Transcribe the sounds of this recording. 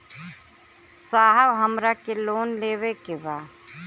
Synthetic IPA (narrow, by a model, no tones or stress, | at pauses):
saːɦəwɦəmɾakeloːnleːʋekebaː